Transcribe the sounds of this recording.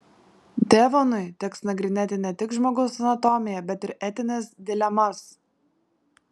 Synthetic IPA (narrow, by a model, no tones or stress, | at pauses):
d̪ʲeːʋonʊɪt̪ʲɛksnɐɡɾʲɪnʲeːt̪ʲɪnʲɛt̪ʲɪkʒmoːɡɐʊsɐnɐt̪ɔmʲɪjɛbʲɛt̪ɪɾɛt̪ʲɪnʲesd̪ʲɪlʲɛmɐs